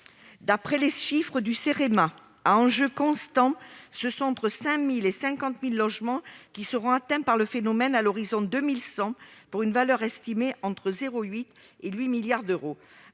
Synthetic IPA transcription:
d̪apχɛleʃifχəd̪yseʁema | aɑ̃ʒøkɔ̃st̪ɑ̃səsɔ̃ɑ̃t̪χəsɛ̃milesɛ̃kɑ̃t̪milːɔʒmɑ̃kʲisəʁɔ̃at̪ɛ̃paʁləfenɔmɛnalɔʁizɔ̃d̪ømilsɑ̃puʁynvalœʁɛst̪imeʔɑ̃t̪χəzeʁoɥit̪ | elɥimiljaʁd̪øʁo

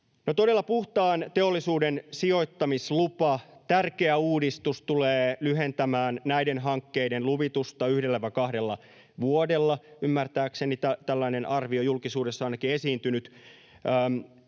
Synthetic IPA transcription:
not̪odelːɑpuht̪ɑːnt̪e̞olːisuːdensio̞it̪ːɑmislupɑt̪ærke̞æuːdist̪ust̪uleːlyɦent̪æmæːnnæidenɦɑŋkːe̞idenluʋit̪ust̪ɑyhdelːæʋækɑhdelːɑ | ʋuodelːɑymːært̪æːkse̞nit̪æt̪ælːæinenʔɑrʋiojulkisuːdesːɑɑnɑkiesiːnt̪ynyt̪ː

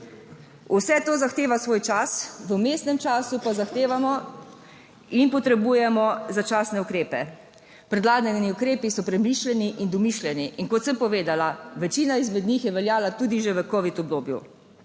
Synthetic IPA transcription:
usɛt̪oːzaxt̪eːʋasʋoːjt͡ʃasʋəmeːst̪nɛmt͡ʃaːsupazaxt̪eːʋamɔ | inpɔt̪ɾɛbujɛmɔzat͡ʃaːsnɛukɾeːpɛ | pɾɛd̪laːɡ̪nɛniukɾeːpisɔpɾɛmiːʃlɛniʔind̪ɔmiʃlʲɛniinkɔt̪səmpɔʋeːd̪alaʋɛt͡ʃiːnaizmɛd̪nixjɛʋɛljaːlat̪uːd̪iʒeʋəkɔʋit̪ɔb̚d̪oːbjṵ

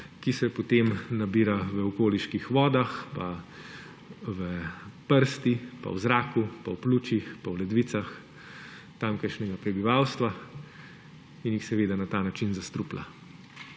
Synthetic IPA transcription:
kisɛpɔt̪emnabiːɾaʋəɔkoːliʃkixʋɔːd̪axpa | ʋəpəɾst̪ipa̰wzɾaːkupawpluːt͡ʃixpawlɛd̪ʋiːt̪sax | t̪amkəɾʃnɛɡapɾɛbiʋawst̪ʋa | injixsɛʋeːd̪anat̪aːnat͡ʃinzast̪ɾupla̰

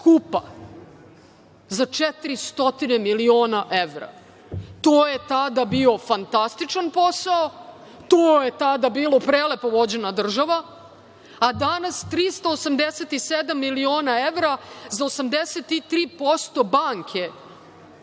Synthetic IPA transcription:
kupa | zat͡ʂɛt̪iɾist̪o̞t̪inemilioːnaʔeʋɾa̰ | t̪oːje̞t̪ad̪abio̞fant̪ast̪it͡ʂanpo̞sao | t̪oːjet̪ad̪abiːlˠo̞pɾeːlepo̞ʋo̞d͡ʑe̞nad̪r̩ʒaʋa | ad̪anast̪ɾiːst̪aosamd̪eset̪ised̪amːilio̞ːnaeʋɾazaosamd̪eset̪it̪ɾiːpo̞st̪o̞baːŋkʰe

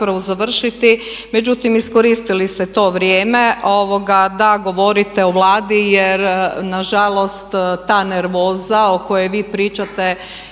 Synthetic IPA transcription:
pɾaʋozaʋr̩ʃit̪i | me̞d͡ʒut̪imisko̞ɾiːst̪ilist̪et̪o̞ːʋɾjeːme̞ʔoʋo̞ɡad̪aɡo̞ʋo̞ɾit̪eoʋlˠaːd̪ijeɾnaʒalˠo̞st̪t̪aːneɾʋo̞ːzaoko̞jejʋiːpɾiːt͡ʃat̪e

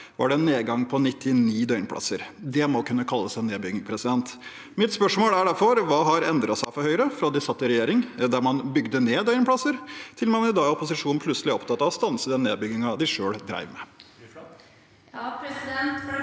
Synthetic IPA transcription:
ʋɑ̰ɖɛɛnːeːd̪ɡɑŋpʰɔnɪt̪ʰːɪniːd̪œʏnpʰlɑ̰səɾd̪ɛmɔkʰʉnːəkʰɑlːəsæɪnːeːd̪bʏɡɪŋpʰɾɛsɪd̪ɛnt̪ | mɪt̪spœʂmoːlæɖæɾfɔɾʋɑːɦɑɾɛnd̪ɾɑsæɪfɔɾhœʏɾəfɾɑd̪ɪsɑt̪ːɪɾɛjeːɾɪŋd̪æɾmɑnbʏɡd̪əneːd̪œʏŋpʰlɑsəɾt̪ʰɪlmɑnɪd̪ɑːɔpʊsɪʂuːnn̩pʰlʉtsəlɪɔpt̪ʰɑt̪ːɑʋɔst̪ɑnsəd̪ɛnːeːd̪̚bʏɡɪŋɑd̪ɪʂøːɽd̪ɾæ̰ɪʋmɛ

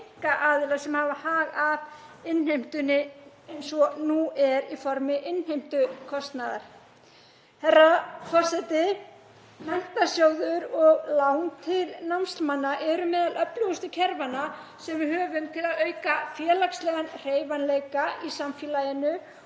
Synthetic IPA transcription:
ŋkaʔaːðɪlasɛmhaːvahaːɣav | ɪnːhejm̥t̪ʏnːɪ | ejnsɔnuɛɾifɔɾmɪʔɪnhejm̥t̪ʏkʰɔst̪naða̰ɾ̥ | θɛrːafɔr̥sɛjt̪ɪ | mɛn̥t̪asjoːwðʏɾɔɣlawnt̪ʰɪlnamst̪lmanːaʔɛɾʏmɛːðalʔœplʏɣʏst̪ʏcʰɛɾvana | sɛmvɪðhœːvʏmt̪ʰɪlaðœːɥkafjɛːlakslɛɣanr̥eːjvanlejkaisamfjɛlajɪnʏ

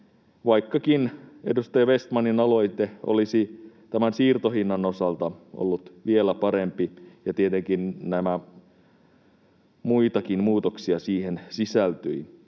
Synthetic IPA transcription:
ʋɑikːɑkinḛdust̪ɑjɑʋest̪mɑninɑloit̪eʔo̰lisi | t̪æmænsiːrt̪ohinːɑnosɑlt̪ɑo̰lːut̪ʋielæpɑɾempijɑt̪iet̪eŋkinnæmæ | muit̪ɑkinmuːt̪oksiɑsiːhensisælt̪yi

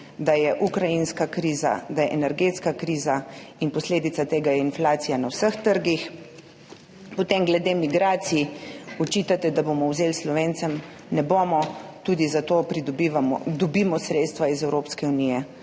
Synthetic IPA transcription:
d̪ajɛʔukɾajinskakɾiːza̰d̪ajɛʔɛnɛɾɡeːt̪skakɾiːzainpɔsleːd̪it̪sat̪eːɡajɛinflaːt̪sijanawsəxt̪əɾɡix | pɔt̪emɡlɛd̪emiɡɾaːt̪sijiɔt͡ʃiːt̪at̪ɛd̪abomɔwzeːlslɔʋeːnt̪sɛm | nɛboːmɔt̪uːd̪izat̪oːpɾid̪ɔbiʋamɔd̪ɔbimɔsɾeːt̪st̪ʋaizɛwɾoːpskɛunijɛ

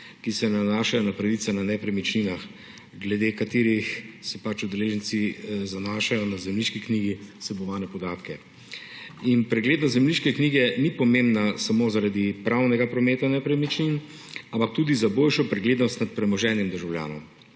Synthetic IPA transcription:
kisɛnanaʃajɔnapɾaʋit̪sananɛpɾɛmit͡ʃninax | ɡlɛd̪ekat̪eːɾixsɛpat͡ʃud̪ɛleːʒənt̪sizanaːʃajɔnazɛmliʃkikniɡisɛbɔʋaːnɛpɔd̪aːt̪kɛ | inpɾɛɡleːd̪nɔzɛmliʃkɛkniːɡɛnipɔmembnasamozaɾad̪ipɾawnɛɡapɾɔmeːt̪anɛpɾɛmit͡ʃnin | ampak̚t̪uːd̪izabolʃɔpɾɛɡleːd̪nɔst̪nat̪̚pɾɛmɔʒɛːnjɛmd̪əɾʒawlʲja̰ːnɔm

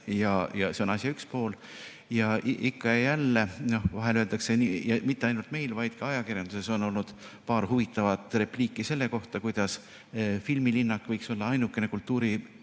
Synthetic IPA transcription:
jɑjɑse̞o̞nɑsʲjɑykspo̞ːl | jɑʔʔikːɑjɑjælːe̞no̞hvɑɦe̞løld̪ɑkse̞nijɑmit̪ːeɑjnult̪me̞jlvɑjd̪̥kɑɑjɑkirjɑnd̪̥use̞so̞no̞lnud̪̥ | pɑːɾɦuvit̪ːˑɑvɑt̪ˑre̞pliːkːˑise̞lːe̞ko̞ht̪ɑkujd̪̥ɑs | filmilinːɑkːˑvɤjkso̞lːɑɑjnukːˑe̞ne̞kult̪ːˑuːɾi

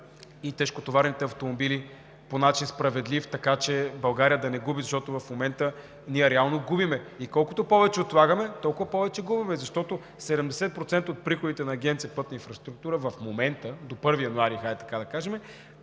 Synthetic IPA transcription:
it̪ɛʃkot̪ovaɾnit̪ɛɐft̪omobili | ponat͡ʃinspɾɐvɛd̪lift̪ɐkat͡ʃɛbɐlˠɡaɾijəd̪ɐnɛɡubizɐʃt̪ɔt̪ovɐfmomɛnt̪ə | niɛɾɛalˠnoɡubimɛikɔlˠkʊt̪opɔvɛt͡ʃɛot̪lˠaɡəmɛt̪ɔlˠkʊvɐpɔvɛt͡ʃɛɡubimɛzɐʃt̪ɔt̪o | sɛd̪ɛmd̪ɛsɛt̪̚pɾot̪sɛnt̪əot̪̚pɾixʊd̪it̪ɛnɐːɡʲɛnt̪siəpɤt̪̚nəinfɾɐst̪ɾuk̚t̪uɾəvɐfmomɛnt̪əd̪opɤɾvijɐnuaɾixat̪ɐ̥kad̪ɐkaʒɛmɛ

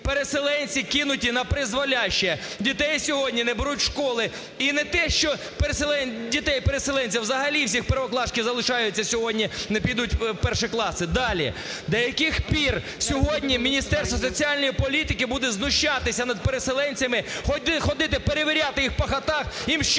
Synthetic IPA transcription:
peɾeselˠɛnʲt͡sʲikɪnʊtʲinɐpɾɪzʋɐlʲaʃt͡ʃɛ | dʲit̪ɛjsʲɔɦɔdʲnʲinɛbɪɾutʲʃkɔlˠɪ | inɛt̪ɛʃt͡ʃɔ | peɾeselˠɛndʲit̪ɛjpeɾeselˠɛnʲt͡sʲiwzɐɦɐlʲiwsʲixpɛɾʋɔklˠɑʃkʲɪzɐlˠɪʃɑjʊt͡sʲːɐsʲɔɦɔdʲnʲinɛpʲijd̪ut̚ʲpɛrʃɪklˠɑsɪd̪ɑlʲḭ | d̪ɐjɐkɪxpʲir | sʲɔɦɔdʲnʲimʲinʲist̪ɛrst̪ʋɐsɔt͡sʲiɑlʲnʲɔjipɔlʲit̪ɪkɪbud̪ɛznʊʃt͡ʃɑt̪ɪsʲɐnɐd̪̚peɾeselˠɛnʲt͡sʲɐmɪxɔd̪ɪxɔd̪ɪt̪ɪpeɾeʋʲɪɾʲat̪ɪjixpɐxɐt̪ɑximʃt͡ʃ

